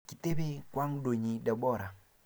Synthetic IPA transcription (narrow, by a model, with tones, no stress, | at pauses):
kɪ˨t̪e˦be˦kwa˦ŋdo˨ɲi˨da˨bɔ˦˨ɾa˨